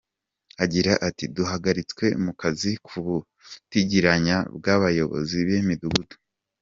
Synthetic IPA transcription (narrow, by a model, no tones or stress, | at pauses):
aɟiɾaʔatiduɦaɡaɾit͡swe̞mukazikʰuβu | tiɟiɾaɲabɡaβajo̞βo̞̰ziβemiduɡutu̥